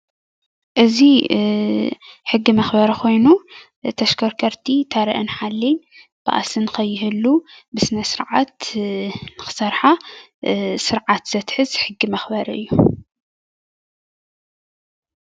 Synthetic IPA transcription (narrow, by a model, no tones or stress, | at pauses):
ʔɨzi | ħɨɡːimɐxbɐɾɐkʰo̞jnu | t̪ʰɐʃkʰɐɾkʰɐɾt̪ʰit̪ʰɐɾɐ̰ʔɨnħalːin | b̥ɨ̰ʔa̰sɨnkʰɐjːɪɦɨlːubɨsɨnɐsɨɾʕat̪ | nɨxɨ̥sɐɾħa | sɨɾʕat̪z̥ɐt̪ħɨzħɨɡːimɐxbɐɾɐɨ̰jːu